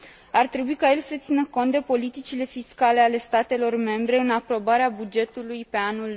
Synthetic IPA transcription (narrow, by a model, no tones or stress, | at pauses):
art̪ɾe̞buikaje̞lsət̪sinəko̞nt̪d̪epo̞lit̪it͡ʃile̞fiskale̞ale̞st̪at̪e̞lo̞rme̞mbɾe̞ɨnapɾo̞baɾeabud͡ʒe̞t̪ulujpe̞anul